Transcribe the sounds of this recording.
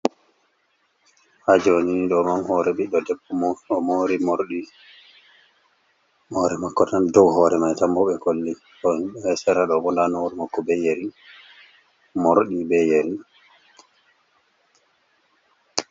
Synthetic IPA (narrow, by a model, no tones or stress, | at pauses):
had͡ʒniniɗɔmamhɔɾɛɓiɗɔdɛbːɔmɔmoɾimoɾɗi | hɔɾɛmakːɔtandɔwhɔɾɛmajtambuɓɛkolːi | ɔnɓɛsɛɾaɗɔbɔndanoɾimakːɔbɛjeɾi | moɾɗibɛjeɾi